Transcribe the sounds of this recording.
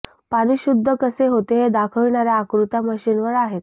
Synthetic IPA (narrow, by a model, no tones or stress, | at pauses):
paɽ̃iːɕud̪ʱːəkəseɦot̪eɦed̪akʰəɭɳaɾjaːkɾut̪aməɕinʋəɾaɦet̪